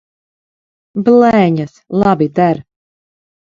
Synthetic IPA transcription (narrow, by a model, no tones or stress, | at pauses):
blˠɛːɲaslˠabid̪æɾ